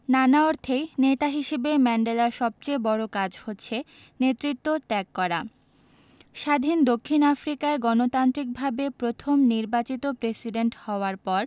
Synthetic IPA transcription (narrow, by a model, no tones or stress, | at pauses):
nanaoɾt̪ʰejnet̪aɦiʃebemɛɳɖelaʃɔb̚t͡ɕejbɔɾokad͡ʑhotːɕʰe | net̪ɾit̪ːoʈɛkːɔɾa | ʃad̪ʱind̪okʰːinafɾikaeɡɔnot̪ant̪ɾik̚bʱabepɾot̪ʰomniɾbat͡ɕit̪opɾesiɖeɳʈhɔoaɾpɔɾ